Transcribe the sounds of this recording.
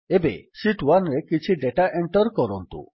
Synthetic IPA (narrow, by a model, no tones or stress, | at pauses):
ebḛsiʈwanɾekit͡ʃʰiɖeʈaʔeɳʈɔɾkɔɾɔnt̪ṵ